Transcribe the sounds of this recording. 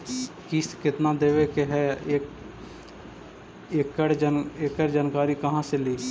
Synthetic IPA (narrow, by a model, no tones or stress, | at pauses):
kiskɪt̪nad̪eːʋekeɦɛeːk | eːkːəɽd͡ʒekːəɽd͡ʒaːnkaːɾikɐɦãseliː